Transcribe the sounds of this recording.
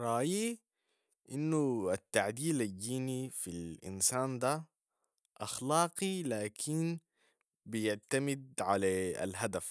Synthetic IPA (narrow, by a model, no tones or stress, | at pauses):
ɾˤɑːji | ʔɪnːuat̪ːaʕd̪iːlad̪iːnifilʔɪ̰nsaːnd̪a | ʔɑxlɑːqilaːkʰin | bɪjɪʕt̪amɪd̪̚ʕalaa̰lɦad̪af